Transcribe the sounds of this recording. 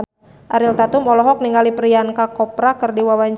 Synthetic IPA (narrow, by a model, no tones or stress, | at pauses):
ʔaɾilt̪at̪umɔlɔɦɔk̚niŋalipɾiankakɔpɾakɨrdiwawaɲd͡ʒ